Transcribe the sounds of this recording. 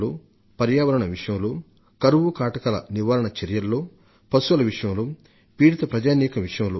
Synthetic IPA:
lo̰ː | pɐɾjaːʋɐɾɐɳɐʋiʂɐjɐmloː | kɐɾuʋukaːʈɐkɐlɐ̰niʋaːɾɐɳɐt͡ʃeɾjɐlːoː | pɐsuʋɐlɐʋiʂɐjɐmloː | piːɽit̪ɐpɾɐd͡ʒaːniːkɐʋiʂɐjɐmloː

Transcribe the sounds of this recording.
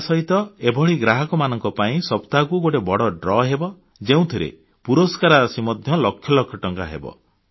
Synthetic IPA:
sɔɦit̪ɔebʱɔɭiɡɾaɦɔkɔmanɔŋkɔpaĩsɔpt̪akuɡoʈebɔɽɔɖɾɔɦebɔ | d͡ʒeũt̪ʰiɾḛ | puɾɔskaɾasimɔd̪ʱjɔlɔkʰːjɔlɔkʰjɔʈɔŋkaɦḛbɔ̰

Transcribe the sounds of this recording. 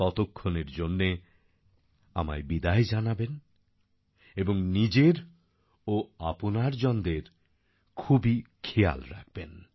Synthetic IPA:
ɔt̪okʰːoneɾd͡ʑonːe | a̰maebid̪aed͡ʑanaben | eboŋnid͡ʑeɾ | oaponaɾd͡ʑɔnd̪eɾ | kʰubikʰeja̰lɾa̰k̚ʰben

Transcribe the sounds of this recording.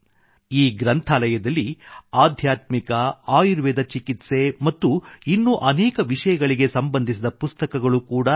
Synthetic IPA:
iːɡɾɐnt̪ʰaːlɐjɐd̪ɐlːiaːd̪ʱjaːt̪mikɐaːjiɾʋɛːd̪ɐt͡ʃikit̪se̞mɐt̪ːuinːuʔɐnɛːkɐʋiʂɐjɐɡɐɭiɡe̞sɐmbɐnd̪ʱisid̪ɐpust̪ɐkɐɡɐɭukuːɽɐ

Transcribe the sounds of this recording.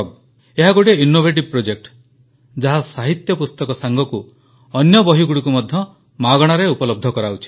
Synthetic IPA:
ɡ̚ | eɦaɡoʈeinːobʱeʈib̚pɾod͡ʒek̚ʈ | d͡ʒaɦasaɦit̪jɔpust̪ɔkɔsaŋɡɔku | ɔnjɔbɔɦiɡuɽikumɔd̪ʱjɔ | maɡɔɽ̃aɾeupɔlɔb̚d̪ʱɔkɔɾaut͡ʃʰi̥

